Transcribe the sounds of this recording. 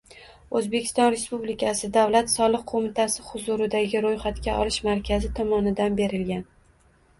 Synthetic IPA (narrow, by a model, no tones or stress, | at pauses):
ɵzbe̞kʲʰɪ̥st̪ɒnɾe̞spublɪkʲʰasɪd̪awlat̪sɒlˠɨq̚qʰomɪt̪ʰasɪχʊzʊɾɪd̪aɡʲɪɾojχat̪kʲaʔɒ̰lˠɪʃmaɾkʲʰazɪt̪ʰɒmɒnɪd̪anbe̞ɾɪlɡʲan